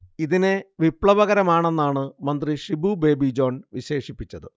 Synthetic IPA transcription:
iðine̞ʋipɭɐʋɐɣɐɾɐmaːɳe̞nːaːɳɨmɐnd̪riʂibube̞ːbid͡ʑo̞ːnʋiɕe̞ːʂipːit͡ɕːɐðɨ

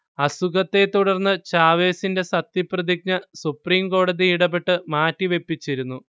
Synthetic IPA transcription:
ɐsuɡɐt̪ːe̞t̪uɽɐrnːɨt͡ɕaːʋe̞ːsinde̞sɐt̪jiprɐðik̚ɲɐsupriːmko̞ːɽɐðiiɽɐpːe̞ʈːɨmaːtːiʋe̞pːit͡ɕːiɾunːu

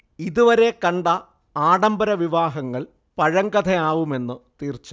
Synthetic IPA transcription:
iðuʋɐɾe̞kɐɳɖɐ | aːɽɐmbɐɾɐʋiʋaːɦɐŋːɐɭ | pɐɻɐŋɡɐd̪ʰʱɐaːʋume̞nːɨt̪iːrt͡ɕːu̥

